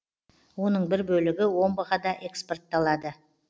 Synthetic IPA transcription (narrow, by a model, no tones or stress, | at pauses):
wo̞nəɴbɪɾbɵlɪɡʲɪwo̞nbɑʁɑd̪ɑʔe̞kspo̞rt̪ːɑlˠɑd̪ə